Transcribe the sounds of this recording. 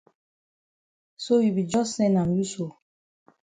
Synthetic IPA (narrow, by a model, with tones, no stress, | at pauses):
so˦ji˨bi˨d͡ʒɔ˦sɛ˦na˨m˨ju˦so˨